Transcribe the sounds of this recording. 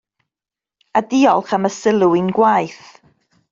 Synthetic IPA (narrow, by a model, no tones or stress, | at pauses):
adiɔlˠχaməsɪlˠuɪnɡwajθ